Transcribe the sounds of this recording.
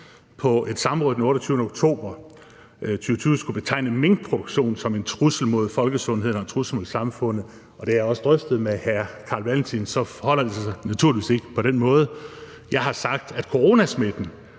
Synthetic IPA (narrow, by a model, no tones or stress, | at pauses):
pʰɒ̽ʔe̝d̥sɑ̈m̩ʁɔ̽ːð̩ˠdenɔ̽ːɾɒt͡sʰyːʊnəoɡ̥t͡sʰo̝̰ːb̥ɐ | t͡sʰyːʊət͡sʰyːʊsɡ̥ub̥e̝t͡sʰɑ̈ɪ̰nəmen̥̚pʰʁoɾ̥oɡ̥ɕo̝̰ːnsɒ̽me̝nt͡sʰʁusl̩mo̝ð̞ˠfɒ̽lɡ̥əsɔ̽nɦe̝ð̞̰ˠn̩ɒt͡sʰʁusl̩mo̝ðˠsɑ̈mfɔ̽n̰ð̩ˠ | ɒ̽d̥eæjɒ̽sə̥d̥ʁœfd̥ð̞̩ˠmehæɐkʰɑ̈ːlʋælnt͡sʰinsɒ̽fɒhɒ̽l̰ɐælsɒ̈næt͡sʰuɐliʋiːse̝ɡ̥əpʰɒ̽ɾ̥enmɔ̽ːð̞ˠ | jɑ̈ɪɦɑ̈sɑ̈ɡ̥d̥æd̥kʰo̝ʁo̝ːnæsmed̥n̩